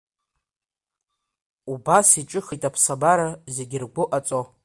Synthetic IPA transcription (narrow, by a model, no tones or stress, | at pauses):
ubasiʈ͡ʂʼɨχajtʼapʰsabaɾaze̞ɡʲɪrɡʷʊʔat͡sʼo